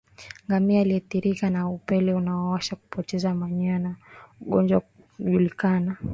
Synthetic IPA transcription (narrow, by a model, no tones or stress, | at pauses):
ŋɡamiaːliaθiɾikanaupɛlɛunaawaʃaku̥pɔtɛzamaɲanauɠɔnd͡ʒwa | ʄulikana